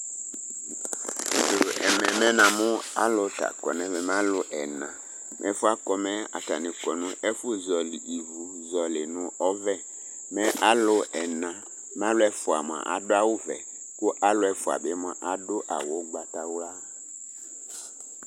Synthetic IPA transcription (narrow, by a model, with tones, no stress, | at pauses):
dʊ˨ɛ̰˨mɛ̃˨mɛ˦nã˨mʊ̃˦a̰˦lʊ˨ta̰˨kɔ˨nɛ̃˨vɛ˨m˦ã˦lʊ˨ʔɛ˨nã˨ | mʔɛ̰˨˦fʊ˦a˦kɔ˨mɛ̃˦a̰˨ta̰˨nɪ̃˨kɔ˨nʊ̃˦ɛ˦fʊ˦zɔ˨li˨ʔi˨vu˨ | zɔ˨lɪ˨nʊ̃˨ɔ˦vɛ˦ | mɛ̃˦ʔa˦lʊ˨ɛ˨nã˨ | m˦ã˦lʊ˦ɛ˦fʊ˨a̰˨m˨ã̰˨ʔa˨dʊ˦a˦wʊ˦vɛ̰˨ | kʊ˦ʔa˦lʊ˦ɛ˨fʊ˨a̰˨bɪ˨˦m˨ã˨ʔa˨dʊ˦ʔa˨wʊ˨˦ɡ͡ba˨ta˨wla˦